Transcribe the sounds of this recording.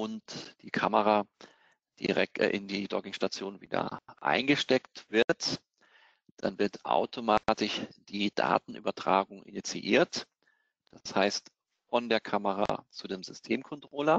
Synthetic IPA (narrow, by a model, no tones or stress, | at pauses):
ʔʊntd̥iːkʰaməʁa | d̥ḭʁɛ̰k̚ʔɪndiːdɔ̰ɡɪŋʃtat͡sjoːnvḭːdɐ̰ʔa̰ɪnɡəʃtɛktv̥ɪɐt | d̥a̰nvɪɐtʔa̰ʊtʰomatɪçd̥iːd̥a̰ːtn̩ʔyːbɐtʁ̥aːɡʊŋʔɪ̰nit͡siʔiːɐt | d̥ashaɪst | fɔndeːɐkʰaməʁa̰t͡sudeːmzʏstʰeːmkʰɔntʁ̥oːlɐ